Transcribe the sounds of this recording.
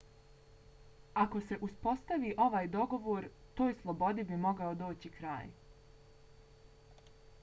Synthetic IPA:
ako̞se̞ʔuspo̞st̪aʋiːʔo̞ʋaːjd̪o̞ɡo̞ʋoːɾ | t̪oːjslˠo̞bo̞d̪ibimo̞ɡaod̪o̞ːt͡ɕikɾa̰ːj

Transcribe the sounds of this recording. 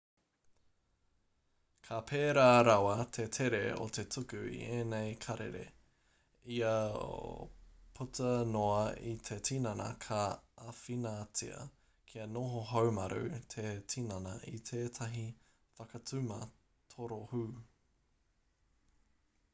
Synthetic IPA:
kʰapʰeːɾaːɾawɐt̪ʰe̞tʰeɾeo̰t̪ʰe̞tʰukʉḭʔenejkʰɐɾḛɾḛ | iɐ̰ | pʰutɐnoɐit̪ʰe̞tʰinɐnɐ̰kʰaːfinat͡sḭɐ̰ | kʰiɐnoɦoɦɐwmɐɾṵt̪ʰetʰinɐnɐʔitʰeːtʰɐɦi | fɐkɐt͡sʉmɐ | t̪ʰoɾohuː

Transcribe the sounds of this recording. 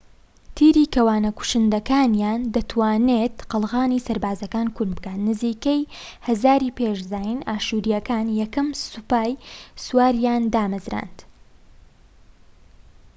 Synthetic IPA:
t̪ʰiːɾiːkʰɐwaːnɐku̥ʃɨnd̪ɐkaːnjaːnd̪ɐt̪ʰwaːnet̪qɨlˠɣaːniːsɐɾbaːzɐkaːnkʰunbɨkaːt̪nɨziːkejhɐzaːɾiːpeʃzaːjɪnaːʃuːɾijɐkaːnjɛkɐmsupaːjsuwaːɾjaːnd̪aːmɨzɾa̰ːnd̪

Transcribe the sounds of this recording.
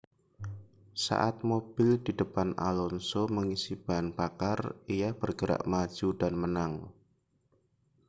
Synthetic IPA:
sa̰ʔat̪̚mob̥ɪldidəpana̰lɔnsoməŋisib̥aɦanbakarijab̥ərɡəɾa̰ʔmḁd͡ʒ̥udanmənaŋ

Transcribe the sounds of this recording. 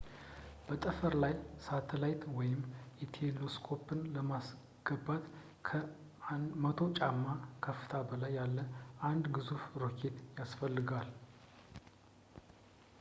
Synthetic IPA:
b̥ət̪ʼəfəɾlajsat̪ʰəlajt̪wɔjɪmɛt̪ʰeloskʰo̞pʰɨnləmas | ɡ̥əbat̪ | kʰə | mət̪ʰo̞t͡ʃʼamːakʰəfːɨ̥t̪ʰabəlajːalːəʔand̪ɡɨzufɾokʰe̞t̪jasfəlːɨɡal

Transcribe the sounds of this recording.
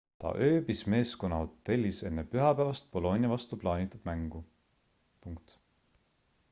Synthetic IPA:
t̪ɑ̰ʔø̞ːbisme̞ːsko̞nːɑhot̪ːˑe̞lʲːise̞nːepyɦɑpæːvɑst̪̚po̞lo̞nʲjɑvɑst̪uplɑːnʲit̪ːˑud̪̥mæŋɡ̥u | puŋkt̪

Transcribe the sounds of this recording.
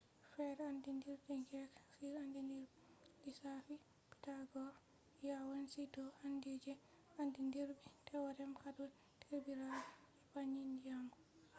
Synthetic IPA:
fɛɾandindiɾdiŋɡɛksiɾandindiɾ | disafi | pi̥taɡɔɾ | jawansidɔandid͡ʒɛ | andindiɾbitʰɛwadɛmkadɔ | tʰeɾbiɾalɛpaɲindijamɡɔ

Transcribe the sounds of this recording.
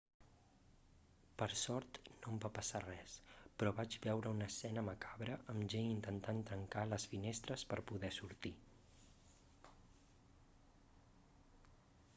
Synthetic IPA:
pəɾsɔɾt̪nombapəsarɛspɾɔβad͡ʒβɛwɾəunəsɛnəməkaβɾəʔəmʒeint̪ənt̪ant̪ɾəŋkaləsfinest̪ɾəspəɾpuðɛsuɾt̪i

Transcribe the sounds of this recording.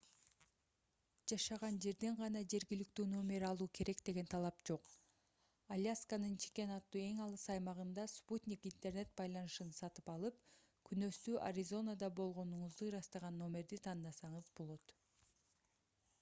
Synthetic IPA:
d͡ʒɑʃɑʁɑnd͡ʒe̞ɾd̪eɴʁɑnɑd͡ʒe̞ɾɡilikt̪yːno̞mʲe̞ɾɑlˠuːkʰe̞ɾe̞kd̪e̞ɡe̞nt̪ʰɑlˠɑpd͡ʒo̞q | alʲjaskanɯnt͡ʃʰe̥kʲe̞nɑt̪ːuːe̞ŋɑlˠɯsɑjmɑʁɯnd̪ɑsput̪ʲnʲikint̪e̞rne̞t̪̚bɑjlˠɑnɯʃɯnsɑt̪ɯ̥pɑlˠɯp | kʰynø̞st̪yːʔa̰ɾʲizo̞nad̪ɑbo̞lˠʁo̞nuɴuzd̪uɾɑst̪ɑʁɑnːo̞mʲe̞ɾd̪it̪ʰɑnd̪ɑsɑɴɯzbo̞lˠo̞t̪

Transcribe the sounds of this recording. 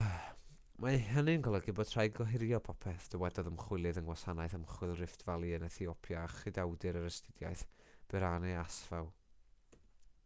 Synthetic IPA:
maɦənɨənɡɔlˠəɡɨbɔd̥tʰr̥ajɡɔɦɪɾjɔpʰɔpʰɛθd̥əwɛdɔðəmχwɪlˠɨðənwasanajθəmχwɨlˠrɪftvalˠiənəθiɔpʰjaːχɨdawdɨɾəɾəstɪdja̰jθ | b̥ɛɾanɛasvawˠ

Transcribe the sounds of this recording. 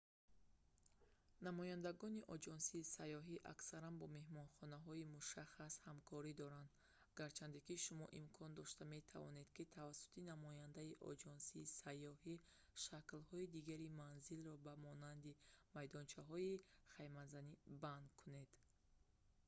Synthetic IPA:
namɔjand̪aɡɔniʔɔd͡ʒɔnsiːsajːɔɦiʔa̰ksaɾanbɔme̞hmɔnχɔnaɦɔimuʃaχːashamkʰɔɾid̪ɔɾand̪ | ɡaɾt͡ʃʰand̪ikiʃumɔ̰ʔimkʰɔnd̪ɔʃt̪ame̞t̪ʰa̰vɔ̰ne̞d̪̥kit̪ʰavasu̥t̪ʰinamɔjand̪aiʔɔ̰d͡ʒɔnsiːsajːɔhi | ʃaklhɔid̪iɡaɾimanzilrɔbamɔnand̪imajd̪ɔnt͡ʃʰaɦɔiχajmanzaniband̪kʰune̞d̪̥

